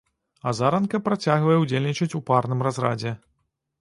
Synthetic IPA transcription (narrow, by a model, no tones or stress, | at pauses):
ɐzaɾɐnkɐpɾat͡sʲaɣvɐjɛwd͡zʲelʲnʲit͡ʂɐt͡sʲuparnɨmrazrad͡zʲɛ